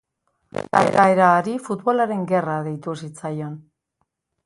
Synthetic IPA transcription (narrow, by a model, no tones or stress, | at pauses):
t̪a̰ḛɾaeɾaːɾifut̪βo̞laɾe̞ŋɡe̞raðe̞jt̪us̬it͡sajo̞n